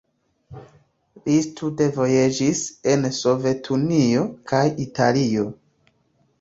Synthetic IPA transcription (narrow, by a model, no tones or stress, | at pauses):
listude̞vo̞jed͡ʒise̞nso̞ve̞tʰunio̞kʰajitʰalio̞